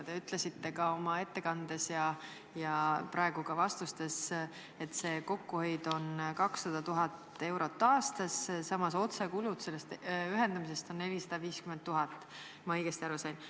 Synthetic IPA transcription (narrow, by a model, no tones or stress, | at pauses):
t̪e̞yt̪ˑle̞sit̪ːe̞kɑo̞mɑe̞t̪ːe̞kɑnd̪̥e̞sjɑ | jɑpɾʔɑe̞ɡ̥ukɑvɑst̪ust̪e̞s | e̞t̪ːˑse̞ːko̞kːuhø̞jd̪o̞nkɑksːɑd̪̥ɑt̪uɦɑt̪ːe̞wɾo̞t̪ːɑːst̪ɑssɑmɑso̞t̪sekulud̪̥se̞lːest̪yɦe̞nd̪ɑmis̬e̞st̪o̞nːe̞lisɑd̪̥ɑviːskyment̪ːuɦɑt̪ˑː | mɑɤjɡ̥est̪iɑɾusɑjn